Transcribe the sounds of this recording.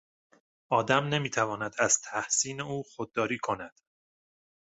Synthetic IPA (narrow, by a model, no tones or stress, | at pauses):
ʔɒːd̪æmne̞miːt̪ʰævɒːnæd̪æz̥t̪ʰæhsiːneuːxod̪̚ːɒːɾiːkʰo̞næd̪̥